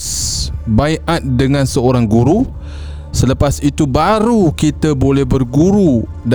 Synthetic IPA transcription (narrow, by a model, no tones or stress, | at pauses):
baiʔat̪̚dəŋãnsəoɾaŋɡuɾu | sələpasit̪ubaɾukit̪əbolɛhbərɡuɾu | d